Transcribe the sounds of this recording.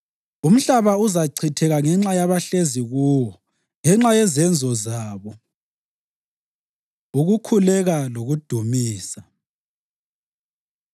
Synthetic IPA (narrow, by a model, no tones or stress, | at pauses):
um̩ɬaβauzaǀʰitʰɛɣaŋɛŋ͡ǁajaβaɬeziɣuːwɔ | ŋɛŋ͡ǁajɛzɛnd͡zʱɔzaːβɔ | uɣukʰulɛɣaloɣud̥ʱumiːsa